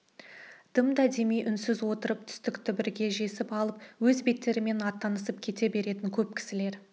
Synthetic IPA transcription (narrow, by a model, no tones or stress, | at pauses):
d̪̥əmd̪æd̪e̞mijʔʏnsɪzwo̞t̪əɾəp̚t̪ʰʏ̥st̪ɪkt̪ʰɪbɪɾɡʲe̞ʒe̞sɪpɑlˠəpwɵzbe̞t̪ːe̞ɾɪme̞nɑt̪ːɑnəsəpkʲʰe̞t̪e̞be̞ɾe̞t̪ɪŋkʲʰɵp̚kʲʰɪ̥sɪle̞ɾ